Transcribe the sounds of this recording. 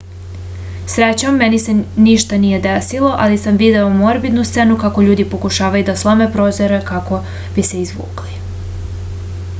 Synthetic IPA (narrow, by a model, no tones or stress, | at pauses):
sɾet͡ɕamːenise̞niʃt̪anije̞d̪esilˠo̞ʔalisamʋid̪e̞omoɾbid̪nust̪se̞nukako̞ʎuːd̪ipo̞kuʃaːʋajud̪aslˠo̞me̞pɾozoɾe̞kako̞ | b̥ise̞izʋṵːkli